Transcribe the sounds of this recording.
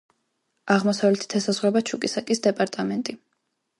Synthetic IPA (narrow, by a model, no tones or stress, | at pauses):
aʁmɔsavlɛt̪ʰi̥t̪ʰɛsazʁwɾɛbat͡ʃʰukʼisakʼisd̪ɛpʼaɾt̪ʼamɛnt̪ʼi